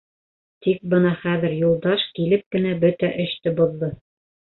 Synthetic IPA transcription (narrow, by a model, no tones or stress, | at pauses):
t̪ik̚bɤnɑχæðɘ̆ɾjulˠd̪ɑʃkilɘp̚kɘ̆næbɵt̪æʔɵ̆ɕt̪ɘbuðːɤ